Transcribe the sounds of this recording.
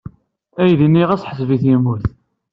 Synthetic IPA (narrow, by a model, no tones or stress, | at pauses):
æjðinːiʁæsħəsviθjimuθ